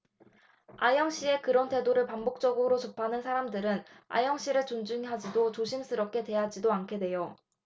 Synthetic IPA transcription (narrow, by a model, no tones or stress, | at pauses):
ajʌŋɕ͈ie̞kɯɾʌntʰe̞doɾɯɭpambok̚t͡ɕ͈ʌɡɯɾot͡ɕʌpʰanɯnsʰaɾamdɯɾɯn | a̰jʌŋɕ͈iɾɯɭt͡ɕond͡ʑɯŋiɦad͡ʑidot͡ɕoɕʰims͈ʰɯɾʌp̚k͈ʰe̞twe̞jad͡ʑidoankʰe̞dwe̞jo